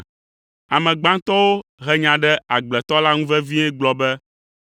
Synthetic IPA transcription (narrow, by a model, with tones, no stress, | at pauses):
a˨mɛ̃˨ɡ͡bã˦ŋt̪ɔ˦wo˦ɦɛ˨ɲã˨ɖɛ˦a˨ɡ͡blɛ˨t̪ɔ˦la˦ŋũ˦vɛ˦vi˦ɲɛ̃˦ɡ͡blɔ˦bɛ˦